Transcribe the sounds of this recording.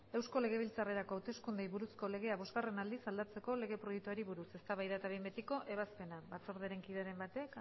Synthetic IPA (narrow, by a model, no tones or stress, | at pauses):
e̞wsko̞le̞ɣ̞e̞β̞ilt͡sare̞ɾakoawt̪e̞skund̪ejβuɾusko̞leɣ̞e̞aβo̞zɣare̞nald̪isald̪at͡se̞ko̞le̞ɣe̞pɾo̞jek̚t̪uaɾiβuɾuse̞st̪aβajðat̪aβ̞imbet̪iko̞ʔʔe̞β̞aspe̞naβat͡so̞ɾð̞eɾe̞ŋkiðaɾe̞mbat̪ek